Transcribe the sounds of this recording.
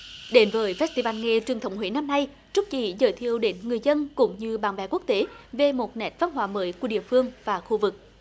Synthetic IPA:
ɗe˨˦nvəː˨˦jfɛ˦˥t̚t̪i˧vaː˧nŋe˧t͡ɕwəŋt̪ʰə˨˦wŋ͡mɦwe˨˦na˧mna˧j | t͡ɕʊ˦˥k̚t͡ɕḭ˧˩zəː˨˩jt̪ʰi˧˨əwɗe˨˦nŋɨ˨˩əjzə˧nkʊ̰˧˥˦ŋ͡mɲɨ˧ɓaː˧˩nvɛ̰˧˦ku˦˥ək̚t̪e˨˦ve˨˩mo˨˩t̚nɛ˨˩˥t̚va˨˧nɦwaː˧˩˦məː˨˦jku˧˩əɗḭ˧˨əfɨ˧əŋvaː˨˩xu˧vɨ˨˩k̚

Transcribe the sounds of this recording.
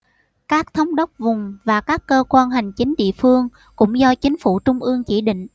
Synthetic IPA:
kaː˦˥k̚t̪ʰə˨˦wŋ͡mɗə˦˥wk͡p̚vʊ˨˩ŋ͡mvaː˨˩kaː˦˥kːəː˧kwaː˧nɦa˨˩jŋ̟t͡ɕï˨˦ŋ̟ɗḭ˧˨əfɨ˧əŋ | kʊ̰˧˥ŋ͡mzɔ˧t͡ɕï˨˦ŋ̟fu˧˩t͡ɕʊ˧ŋ͡mʔɨ˧əŋt͡ɕi˧˩ɗḭ̈˧˨ŋ̟

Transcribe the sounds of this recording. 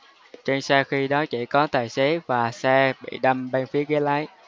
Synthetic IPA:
t͡ɕe˧nsaː˧wxi˧ɗɔ˨˦t͡ɕḭ˧˩˨kɔ˨˦t̪aː˨˩jse˨˦vaː˨˩sɛ˧ɓḭ˧˨ɗə˧mɓe˧nfi˨˦əɣe˨˦laː˨˦j

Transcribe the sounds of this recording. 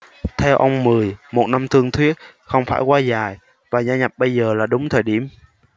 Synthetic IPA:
t̪ʰɛ˧wʔə˧wŋ͡mmɨ˨˩əjmo˨˩t̚na˧mt̪ʰɨ˧əŋt̪ʰwi˦˥ət̚xə˧wŋ͡mfa̰ː˧˩jkwaː˧zaː˨˩j | vaː˨˩zaː˧ɲa˨˩p̚ɓə˧jzəː˨˩laː˨˩ɗʊ˨˦ŋ͡mt̪ʰəː˨˩jɗḭ˧˩əm

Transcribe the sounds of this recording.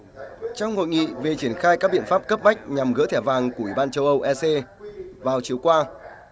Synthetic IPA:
t͡ɕɔ˧wŋ͡mho̰˧˨jŋḭ˧˨ve˨˩t͡ɕi˧˩ənxaː˧jka˦˥k̚ɓḭ˧˨ənfaː˦˥p̚kə˦˥p̚ma˦˥jk̟̚ɲa˨˩mɣə̰˧˥t̪ʰɛ˧˩vaː˨˩ŋku˧˩əwi˧˩ɓaː˧nt͡ɕə˧wʔə˧wʔɛ˧se˧vaː˨˩wt͡ɕi˨˩əwkwaː˧

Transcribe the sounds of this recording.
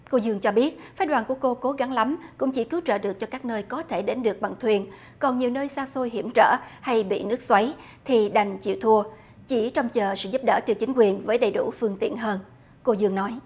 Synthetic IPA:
ko˧zɨ˧əŋt͡ɕɔ˧ɓi˦˥ət̚faː˨˦jɗwaː˨˩nku˧˩əko˧ko˨˦ɣa˨˦ŋla˨˦mkʊ̰˧˥ŋ͡mt͡ɕi˧˩kɨ˨˦wt͡ɕə̰ː˧˨˩ɗɨ˨˩ək̚t͡ɕɔ˧kaː˦˥k̚nəː˧jkɔ˨˦t̪ʰe˧˩ɗe˨˦nɗɨ˨˩ək̚ɓa̰˨˩ŋt̪ʰwi˨˧˩ən | kɔ˨˩nɲi˨˩əwnəː˧jsaː˧so˧jɦḭ˧˩əmt͡ɕə̰ː˧˩˨ha˧jɓḭ˧˨nɨ˦˥ək̚swa˨˦j | t̪ʰi˨˩ɗa˨˩jŋ̟t͡ɕḭ˧˨wt̪ʰu˧ə | t͡ɕi˧˩t͡ɕɔ˧wŋ͡mt͡ɕəː˨˩sɨ̰˧˨zu˦˥p̚ɗə̰ː˧˩t̪ɨ˧˩wt͡ɕï˨˦ŋ̟kwi˨˩ənvəː˨˦jɗə˨˩jɗu˧˩fɨ˧əŋt̪ḭ˧˨ənɦəː˧n | ko˧zɨ˧əŋnɔ˨˦j

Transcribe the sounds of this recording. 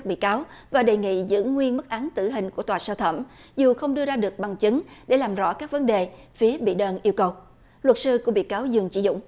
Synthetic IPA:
k̚ɓḭ˧˨kaː˨˦w | vaː˨˩ɗe˨˩ŋḭ˧˨zɨ̰˧˥əŋwi˧ənmə˦˥t̚ʔa˨˦nt̪ɨ˧˩ɦï˨˩ŋ̟ku˧˩ət̪waː˨˩səː˧t̪ʰə˧˩mzu˨˩xə˧wŋ͡mɗɨ˧əzaː˧ɗɨ˨˩ək̚ɓa˨˩ŋt͡ɕɨ˨˦ŋɗe˧˩laː˨˩mzɔ̰˧˥kaː˦˥k̚və˨˦nɗe˨˩fi˨˦əɓḭ˧˨ɗəː˧nʔi˧əwkə˨˩w | lwə˨˩t̚sɨ˧ku˧˩əɓḭ˧˨kaː˨˦wzɨ˨˩əŋt͡ɕḭ˧˩˨zʊ̰˧˥˨ŋ͡m

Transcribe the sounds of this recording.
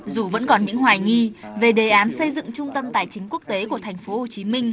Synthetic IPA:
zu˨˩və̰˧˥nkɔ˨˩nɲɨ̰˧˥ŋɦwaː˨˩jŋi˧ve˨˩ɗe˨˩ʔaː˨˦nsə˧jzɨ̰˧˨ŋt͡ɕʊ˧ŋ͡mt̪ə˧mt̪a̰ː˧˨˩jt͡ɕï˨˦ŋ̟ku˦˥ək̚t̪e˨˦ku˧˩ət̪ʰɛ˨˩ŋ̟fo˨˦ho˨˩t͡ɕi˨˦mï˧ŋ̟

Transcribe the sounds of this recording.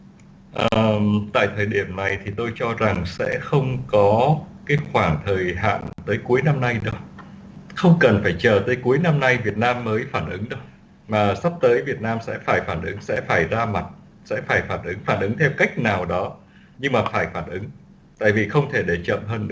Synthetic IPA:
ʔəː˨t̪a̰ː˧˨jt̪ʰəː˨˩jɗi˧˩əmna˨˩jt̪ʰi˨˩t̪o˧jt͡ɕɔ˧za˨˩ŋsɛ̰˧˥xə˧wŋ͡mkɔ˨˦kaː˨˦jxwaː˧˩ŋt̪ʰəː˨˩jɦa̰ː˧˨nt̪əː˨˦jku˨˦əjna˧mna˧jɗə˧˦w | xə˧wŋ͡mkə˨˩nfaː˧˩jt͡ɕə̰ː˧˨˩t̪əː˨˦jku˨˦əjna˧mna˧jvi˨˩ət̚naː˧mːəː˨˦jfaː˧˩nʔɨ˨˦ŋɗə˧w | maː˨˩sa˦˥p̚t̪əː˨˦jvi˨˩ət̚naː˧msɛ̰˧˥faː˧˩jfaː˧˩nʔɨ˨˦ŋsɛ̰˧˥faː˧˩jzaː˧ma˨˩t̚ | sɛ̰˧˥faː˧˩jfaː˧˩nʔɨ˨˦ŋfaː˧˩nʔɨ˨˦ŋt̪ʰɛ˧wka˦˥jk̟̚naː˨˩wɗɔ˨˦ | ɲɨ˧ŋmaː˨˩faː˧˩jfaː˧˩nʔɨ˨˦ŋ | t̪a̰ː˧˨jvi˨˩xə˧wŋ͡mt̪ʰe˧˩ɗe˧˩t͡ɕə̰˧˨mɦəː˧nɗɨ̰˧˥˦

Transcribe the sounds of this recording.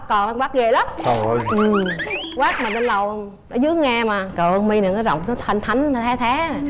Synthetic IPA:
kɔ˨˩nla˧˦ŋkwaː˦˥k̚ɣḛ˧˨la˨˦mɔ˨˩˧jʔɨ˨˩mwaː˦˥k̚ma˨˩ə˧nlə˨˩w | nɔ˨˦zɨ˨˦əŋaː˧maː˨˩kəː˨˩ʔə˧ŋmi˧nɨ˨˩kɔː˨˦jzɔ̰˧˨wŋ͡mnɔ˨˦t̪ʰə˧nt̪ʰa˨˦jŋ̟a˨˩t̪ʰɛː˨˦˥t̪ʰaː˨˦˨

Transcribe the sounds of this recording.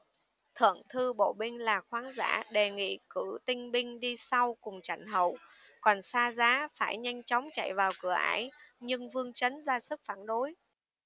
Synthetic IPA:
t̪ʰɨ̰˧˨əŋt̪ʰɨ˧ɓo̰˧˨ɓï˧ŋ̟laː˨˩xwaː˨˦nza̰ː˧˥ɗe˨˩ŋḭ˧˨kɨ˧˩t̪ï˧ŋ̟ɓï˧ŋ̟ɗi˧sa˧wkʊ˨˩ŋ͡mt͡ɕa˧˩jŋɦə̰˧˨wkɔ˨˩nsaː˧zaː˨˦faː˧˩jɲa˧jŋ̟t͡ɕɔ˨˦wŋ͡mt͡ɕa̰˧˨jvaː˨˩wkɨ˧˩əʔaː˧˩jɲɨ˧ŋvɨ˧əŋt͡ɕə˨˦nzaː˧sɨ˦˥k̚faː˧˩nɗo˨˦j

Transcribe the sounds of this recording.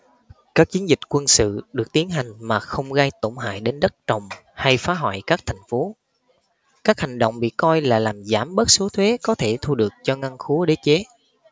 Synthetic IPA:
kaː˦˥k̚t͡ɕi˨˦ənzï˨˩k̟̚kwə˧nsɨ̰˧˨ɗɨ˨˩ək̚t̪i˨˦ənɦa˨˩jŋ̟maː˨˩xə˧wŋ͡mɣa˧jt̪o˧˩ŋ͡mɦa̰ː˧˨jɗe˨˦nɗə˦˥t̚t͡ɕə˨˩wŋ͡mha˧jfaː˨˦ɦwa̰ː˧˨jkaː˦˥k̚t̪ʰa˨˩jŋ̟fo˨˦ | kaː˦˥k̚ha˨˩jŋ̟ɗo̰˧˨wŋ͡mɓḭ˧˨kɔ˧jlaː˨˩laː˨˩mzaː˧˩mɓə˦˥t̚so˨˦t̪ʰwe˨˦kɔ˨˦t̪ʰe˧˩t̪ʰu˧ɗɨ˨˩ək̚t͡ɕɔ˧ŋa˧ŋxu˨˦əɗe˨˦t͡ɕe˨˦

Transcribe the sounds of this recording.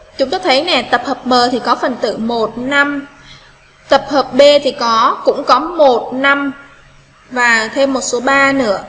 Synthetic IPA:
t͡ɕʊ˨˦ŋ͡mt̪oː˧jt̪ʰə˨˦jnɛ˨˩t̪ə˨˩p̚həː˨˩p̚məː˨˩t̪ʰi˨˩kɔ˨˦fə˨˩nt̪ɨ̰˧˨mo˨˩t̚na˧m | t̪ə˨˩p̚həː˨˩p̚ɓe˧t̪ʰi˨˩kɔ˨˦kʊ̰˧˥ŋ͡mkɔ˨˦mo˨˩t̚na˧m | vaː˨˩t̪ʰe˧mːo˨˩t̚so˨˦ɓaː˧nɨ̰˧˥ə

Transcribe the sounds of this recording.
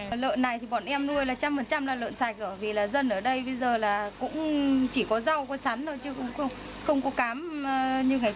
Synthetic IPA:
lə̰ː˧˨nːa˨˩jt̪ʰi˨˩ɓɔ̰˧˨nʔɛ˧mnu˧əjlaː˨˩t͡ɕa˧mfə˨˩nt͡ɕa˧mlaː˨˩lə̰ː˧˨nsaː˨˩j̚ʔəː˧˩vi˨˩laː˨˩zə˧nʔəː˧˩ɗə˧jɓə˧jzəː˨˩laː˨˩kʊ̰˧˥ŋ͡mt͡ɕi˧˩kɔ˨˦za˧wkɔ˧˨˦sa˨˦nɗo˨˦jt͡ɕɨ˧˦xə˧ŋ͡mxə˧wŋ͡m | xə˧wŋ͡mkɔ˨˦kaː˨˦m˧ɲɨ˧ŋa˨˩

